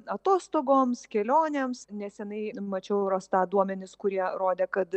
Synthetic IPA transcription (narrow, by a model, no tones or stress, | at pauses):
ɐt̪oːst̪oːɡoːmskʲɛlʲoːnʲeːmsnʲɛsʲɛnɐɪmɐt͡ʃʲɛʊɾoːst̪ɑːd̪uɔmʲɛnʲɪskʊɾʲiɛɾoːd̪ʲɛːkɐt̪